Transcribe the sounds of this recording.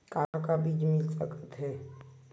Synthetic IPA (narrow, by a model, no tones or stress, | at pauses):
kãːkabiːd͡ʒmɪlsəkət̪ɦɛː